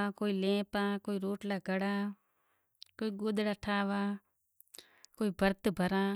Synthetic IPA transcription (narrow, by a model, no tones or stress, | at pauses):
koːilẽːpãːkoːiɾoːʈlaːɡəɽaː | koːiɡoːd̪ɽaːʈʰaːʋaː | koːibʱəɾt̪bʱəɾãː